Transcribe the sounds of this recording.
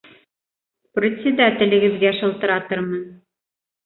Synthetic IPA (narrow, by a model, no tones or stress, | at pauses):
prʲɪt̪ʲsʲɪd̪at̪ʲɘ̆lɘ̆ɡɘ̆ðɡæʃɤ̆lˠt̪ɤ̆ɾɑt̪ɤɾmɤn